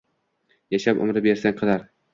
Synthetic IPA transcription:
jaʃapʊ̰mɾɪbe̞ɾsanqʰɨlaɾ

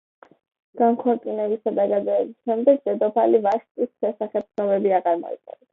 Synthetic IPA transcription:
ɡ̥aŋkʰɔɾt̪ʼinɛbisad̪aɡad̪zɛːbisʃɛmd̪ɛɡ̚d̪ɛd̪ɔpʰalivaʃt̪ʼisʃɛsaχɛb̚snɔbɛbiaʁaɾmɔ̰ḭt̪ʼɛ̰n

